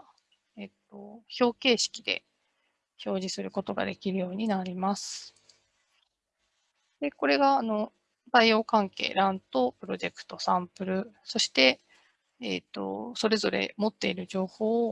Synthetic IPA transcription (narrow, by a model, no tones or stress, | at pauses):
et̪ːo̞ço̞ːke̞ːɕi̥kʲid̪e̞̰ | ço̞ːʑisɨɾɯ̟ko̞t̪o̞ɡa̰d̪e̞kʲiɾɯ̟jo̞ːɲ̟inaɾʲimasɨ̥ | d̪̥e̞ko̞ɾe̞ɡaːno̞ | zaijo̞ːkãŋke̞̰ːɾãnt̪o̞pɯ̟ɾo̞ʑe̞kɯ̟̥t̪o̞sãmpɯ̟ɾɯ̟so̞ɕi̥t̪e̞ː | t̪ːo̞̰so̞ɾe̞zo̞ɾe̞̰mo̞t̪ːe̞iɾɯ̟ʑo̞ːho̞ː